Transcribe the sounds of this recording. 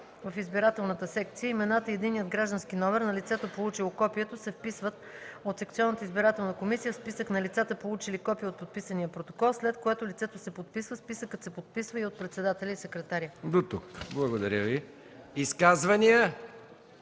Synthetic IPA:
vɐfizbiɾat̪ɛlˠnət̪əsɛk̚t̪sijəimɛnat̪əiɛd̪inːijəd̪ɡɾaʒd̪ənskinɔmɛɾnɐlit̪sɛt̪opolˠut͡ʃilˠokɔpiət̪osɛfpisvət̪ot̪sɛkt̪siɔnːət̪əizbiɾat̪ɛlˠnəkomisijəfspisəknɐlit̪sat̪əpolˠut͡ʃilikɔpijəot̪̚pot̪̚pisənijəpɾot̪o̥kɔlˠslɛt̪kojat̪olʲit̪sɛt̪osɛpot̪̚pisvəspisəkət̪sɛpot̪̚pisvəiot̪̚pɾɛt̪sɛd̪at̪ɛlʲəisɛkɾɛt̪aɾʲəd̪ot̪ukblˠɐɡod̪ɐɾʲəvi | iskazvɐniə

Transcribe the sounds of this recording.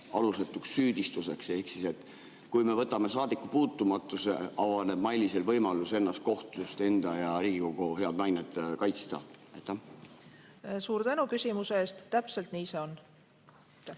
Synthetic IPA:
ɑlust̪et̪ːuksːyːd̪̥ist̪use̞kse̞hksise̞t̪ | kujme̞vɤt̪ːˑɑme̞sɑːd̪̥ikːˑupuːt̪ːumɑt̪ːˑuse̞̰ɑvɑne̞b̥̚mɑjlʲiselvɤjmɑluse̞nːɑst̪̚ko̞ht̪ust̪e̞nd̪̥ɑjɑɾiːɡ̥iko̞ɡ̥uhe̞ɑd̪mɑjned̪̥kɑjt̪st̪ɑ̰ɑ̰jt̪ːˑɑm | suːɾt̪ænukysʲimuseeːst̪t̪ːæpse̞lt̪niːse̞o̞nː

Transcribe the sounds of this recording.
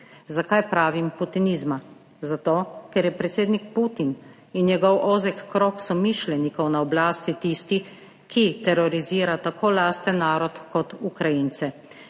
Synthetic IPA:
zakajpɾaːʋimput̪inizma | zat̪oːkɛɾjɛpɾɛt̪seːd̪nikput̪in | injɛɡɔwʔoːzɛkːɾoːksɔmiʃlɛnikɔwnaɔblaːst̪it̪ist̪i | kʰit̪ɛɾɔɾiziːɾat̪akʰoːlaːst̪ɛnaːɾɔt̪kɔt̪ukɾajint̪sɛ

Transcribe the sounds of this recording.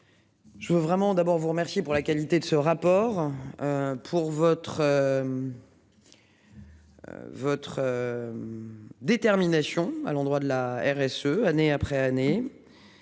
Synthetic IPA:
ʒəvøvʁɛmɑ̃d̪abɔʁvuʁəmɛʁsjepuʁlakalit̪ed̪əsəʁapɔʁøpʰuʁvɔt̪χø | vɔt̪χø | d̪et̪ɛʁminasjɔ̃a̰lɑ̃d̪ʁwad̪əlaɛʁɛsøaneapχɛane

